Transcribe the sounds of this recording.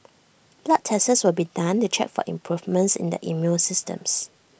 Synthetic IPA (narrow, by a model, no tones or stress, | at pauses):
laʔ̚tʰɛsəswɪlbidãntut͡ʃɛ̰k̚fɔ̰ʔḭ̃mpʰɹuvmə̃ntsɪ̰̃ndə̰ʔimjusɪstə̰̃ms